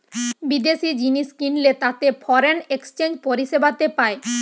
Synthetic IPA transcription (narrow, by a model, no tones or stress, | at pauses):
bid̪eʃid͡ʑiniʃkinlet̪at̪efʰɔɾenekst͡ɕend͡ʑpoɾiʃebat̪epae